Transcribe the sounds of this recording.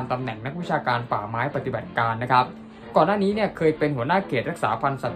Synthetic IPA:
mt̪a˧mnɛ˨˩ŋna˦˥k̚wi˦˥t͡ɕʰaː˧kaː˧nfaː˨˩maː˦˥jpa˧t̪i˨ba˨˩t̪̚kaː˧nːa˦˥kʰa˦˥p̚ | kɔː˨˩nːaː˥˩niː˦˥ni˥˩ɐkʰɤː˧jpe˧nhu˩˦ɐənaː˥˩kʰeː˨˩t̪̚ɾa˦˥k̚sa̰ː˩˦pʰa˧nsa˨˩

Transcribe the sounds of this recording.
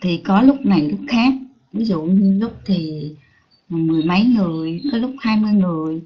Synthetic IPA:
t̪ʰi˨˩kɔ˨˦lʊ˦˥k͡p̚na˨˩jlʊ˦˥k͡p̚xaː˦˥k̚ | vi˨˦zṵ˧˨ɲɨ˧lʊ˦˥k͡p̚t̪ʰi˨˩˨ | mɨ˨˩əjmə˨˦jŋɨ˨˩əjkɔ˨˦lʊ˦˥k͡p̚haː˧jmɨ˧əjŋɨ˨˩əj

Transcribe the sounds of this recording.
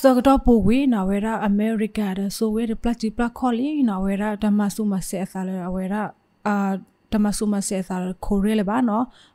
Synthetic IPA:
sɔ˨kə˨tɔ˦po˨ɡwi˦na˨wɛ˨ɾa˦ʔə˨mɛ˨ɾi˨ka˨da˨so˦wɛ˦ɾɛ˨pla˦t͡ʃi˨pla˦kʰɔ˦li˦na˨wɛ˨ɾa˦da˨ma˨su˦ma˨sɛ˨ʔə˨θa˨lɛ˨wɛ˨ɾa˦˨ | d̥a˨ma˨su˨ma˨sɛ˨ʔə˨θa˨lɛ˨kʰo˨ɾɛ˦lɛ˨ba˦nɔ˦

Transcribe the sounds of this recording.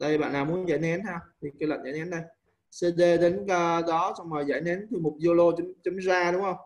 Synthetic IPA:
t̪a̰ː˧˨vi˨ɓa̰ː˧˨nlaː˨˩mu˨˦ənza̰ː˧˨jnɛ˨˦nha˧wt̪ʰi˨˩kaː˨˧˦jlə̰˧˨n̟za̰ː˧˨˦nɛ˨˦nɗə˧j | sə˧ɗe˧ɗe˨˦nkəː˧ɗɔ˨˦sɔ˧wŋ͡mməː˨˩jza̰˧˩jnɛ˨˦nt̪ʰɨ˨˩mo˨˩t̚zo˧lo˧t͡ɕʊ˨˦mt͡ɕʊ˨˦mzaː˧ɗʊ˨˦ŋ͡mhə˧wŋ͡m

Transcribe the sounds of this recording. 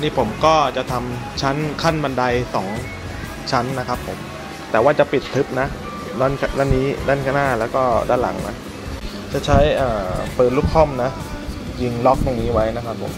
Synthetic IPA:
niː˥˩pʰo˩˦mkɔː˥˩t͡ɕa˨˩t̪ʰa˧mt͡ɕʰa˦˥nkʰa˥˩nba˧nda˧jsɔː˩˦ŋ | t͡ɕʰa˦˥nːa˦˥kʰa˦˥pʰːo˩˦m | t̪ɛː˨˩waː˥˩t͡ɕa˨˩pi˨˩t̪ːʰɯ˦˥p̚na˦˥ʔ | nɔ˧˥˩nkʰna˥˩nːiː˦˥daː˥˩nkʰaː˧˥˩naː˥˩lɛː˦˥wkɔː˥˩daː˥˩nla̰˩˦ŋna̰˦˥ | t͡ɕa˨˩t͡ɕʰa˦˥jʔaː˨˩pɤː˨˩t̪̚luː˦˥˩k̚kʰɔ˥˩mna˦˥ | ji˧ŋlɔ˦˥k̚t̪o˧ŋniː˦˥wa˦˥jna˦˥kʰa˦˥pʰːo̰˩˦m

